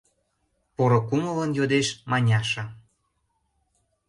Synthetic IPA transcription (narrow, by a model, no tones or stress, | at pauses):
poɾŏkumələnjod̪eʃmɑnʲɑʃɤ̆